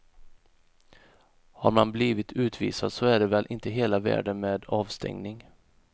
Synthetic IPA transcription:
haɾmanbliːvɪt̪ʰʉ̟ːt̪ʰvḭːsad̪sɔæɖɛvɛlʔɪnt̪əɦeːlavæ̰ːɖənmeːd̪ɑːvst̪ʰɛ̰ŋnɪŋ

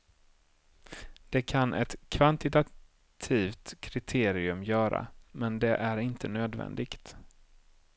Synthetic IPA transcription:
d̪̥ɛkʰanʔɛt̪kʰvant̪ɪt̪a | t̪ʰiːft̪kʰɾɪt̪ʰeːɾɪɵmjœːɾa̰mɛnd̪ɛʔæɾɪnt̪ənøːd̪vɛ̰nd̪ɪɡt̪

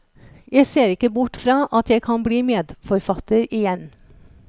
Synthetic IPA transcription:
jæɪseːɾɪkəbʊʈfɾɑːʔɑt̪ʰjæɪkʰɑnbliːmeːd̪fɔɾfɑt̪əɾɪjɛn

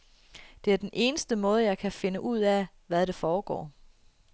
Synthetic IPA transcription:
d̥e̝æɐd̥enʔe̝ːnəsd̥əmɔ̽ːð̞ˠəjɑ̈ɪkʰæfe̝nəʔuð̞̰ˠæ | ʋæðˠɾ̥efɒːɡ̥ɒ̰ː

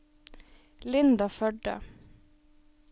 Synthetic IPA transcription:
lɪnd̪ɑfœɖə̰

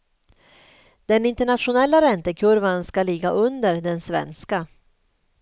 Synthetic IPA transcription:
d̪̥ɛnɪnt̪ɛɳat̪ɧʊnɛlːaɾɛnt̪əkʰɵɾvanskalɪɡːaʔɵnd̪əɾɖɛnsvɛ̰nska

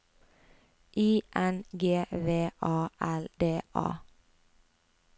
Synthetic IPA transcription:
ʔiːʔɛnɡeːʋeːʔɑːʔæld̪eːʔɑ̰ː

